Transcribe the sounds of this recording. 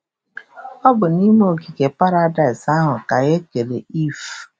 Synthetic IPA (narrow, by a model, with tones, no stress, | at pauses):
ɔ˦bʊ˨ni˦m˦o˦˨ɡi˨ɡe˨pa˦ɾa˦da˨ɪ˨sa˦ɦʊ˨ka˨ɣe˦ke˨le˨i˦f